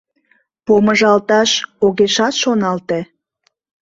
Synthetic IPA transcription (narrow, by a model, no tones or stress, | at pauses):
poməʒɑlt̪ɑʃoɣeʃɑt̪ʃonɑlt̪e